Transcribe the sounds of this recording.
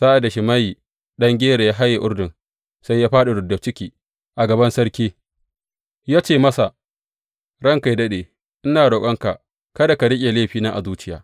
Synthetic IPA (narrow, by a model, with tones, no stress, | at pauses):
saː˦ʔa˨da˨ʃɪ˨ma˦ji˨ | ɗɐ˦ŋɡʲeː˦ɾe˨jaː˦ɦa˦jːa˨ʔʊ˦ɽdɪ˨n | sa˦jːaː˦ɸaː˦ɗa˨ɽʊ˨dɐ˨t͡ʃɪ˦kʲiː˨ | ʔa˨ɡɐ˨bɐ˦nsɐ˦ɾkʲiː˦ | jaː˦t͡ʃeː˦˨mɐ˦sa˨ | ɽɐ˦ŋka˨jdɐ˦ɗeː˨ | ʔɪ˦naː˨ɽo˨kʷʼɐ˦ŋka˨ʔ | kɐ˦da˨ka˨ɽɪ˦kʲʼe˨leː˦ɸiː˨na˦ʔa̰˨zuː˦t͡ʃɪ˦ja̰ː˨˦